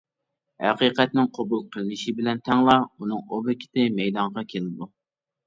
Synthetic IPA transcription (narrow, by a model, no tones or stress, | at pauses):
hæ̰qiqɛt̪nɪŋqʰobulˠqʰəlˠɨnɪʃibɪlɛnt̪ʰɛŋlˠɑunɨŋobɪkʲʰɪ̥t̪ɪmɛjd̪ɑɴʁɑkʲʰelɪd̪u